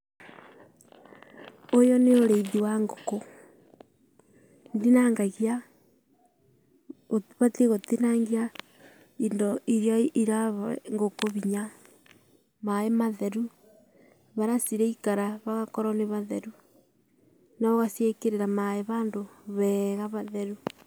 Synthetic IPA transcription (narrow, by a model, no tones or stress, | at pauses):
ojoneoɾeiðiwaŋɡoko | ndinaŋɡaɣja | oβateɣotinaŋɡia | indoiɾjaiɾaŋɡokoβiɲa | maemaðeɾu | βaɾasiɾeikaɾaβaɣakoɾoneβaðeɾu | naoɣasiekeɾeɾamaeβaːndoβɛɣaβaðeɾu